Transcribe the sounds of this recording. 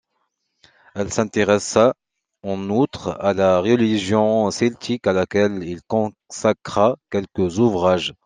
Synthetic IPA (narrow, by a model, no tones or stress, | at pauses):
ɛlsɛ̃t̪eʁɛsa | ɑ̃nut̪χalaʁəliʒjɔ̃sɛlt̪ʰikalakɛlilkɔ̃ | sakʁakɛlkəzuvʁaʒ